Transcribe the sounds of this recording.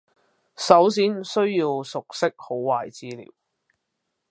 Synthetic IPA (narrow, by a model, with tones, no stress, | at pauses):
sɐ˨˥wsiː˨˥nsɵ˥ɥjiː˧wsʊ˨k̚sɪ˥k̚ho˨˥wːaː˨˩jt͡siː˥lḭː˨˩w